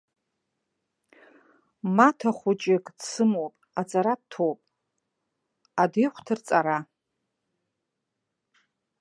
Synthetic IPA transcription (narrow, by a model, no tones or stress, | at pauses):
matʰaχʷʊt͡ʃʼɪkʼdsɨmopʼat͡sʼaɾad̚tʰowpʼ | adejχʷtʰɨrt͡sʼaɾa